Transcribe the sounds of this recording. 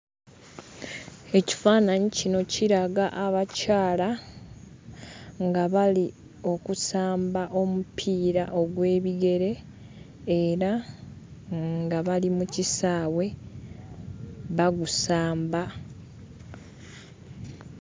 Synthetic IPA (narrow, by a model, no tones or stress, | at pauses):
e̞ci̥faːnaɲicino̞ciɾaɡaʔaβacaːla | ŋɡaβali | o̞kusaːmbaʔo̞mupʰiːɾaʔo̞ɡwe̞ːβiɡe̞ɾe̞ː | ɾa | ŋɡaβalimucisaːwe̞ | βaɡusaːmba